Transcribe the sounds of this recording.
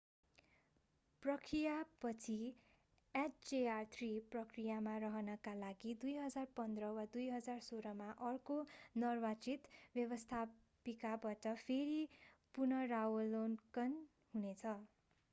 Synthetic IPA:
prʌkʰrijapʌt͡sʰi | aʈd͡zeart̪ʰriprʌkrijamarʌɦʌnʌkalaɡid̪ujɦʌd͡zarpʌnd̪rʌwad̪ujɦʌd͡zarsoɾʌmaʔʌrkonʌrbat͡sit̪bjʌbʌst̪ʰa | pikabaʈʌpʰeɾipurnʌrawʌlonkʌn | ɦunet͡sʰʌ

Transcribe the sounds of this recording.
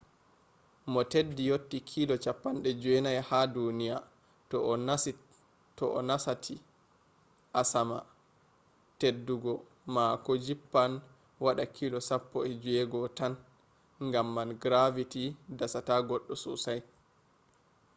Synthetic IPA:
mɔtedːijotːikʰilɔt͡ʃapːanɗɛd͡ʒɛnajhadunija | tɔɔnasi | tɔʔɔ̰nasatʰi | ʔasama̰ | tedːuɡɔ | makɔd͡ʒipːan | waɗakʰilɔsapːɔɛd͡ʒuɛɡɔtan | ŋɡamːanɡɾavitidasataɡɔɗːɔsusaj

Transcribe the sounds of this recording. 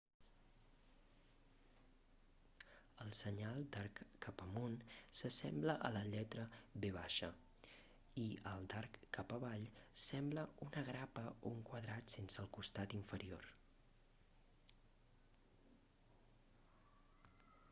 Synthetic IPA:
əlˠsəɲalˠd̪arkːapəmonsəsɛmbləʔələʎɛt̪ɾəβeβ̞aʃə | iəlˠd̪arkːapəβaʎsɛmbləunəɣɾapəouŋkwəðɾat̪sensəlˠkust̪at̪iɱfəɾio̰r

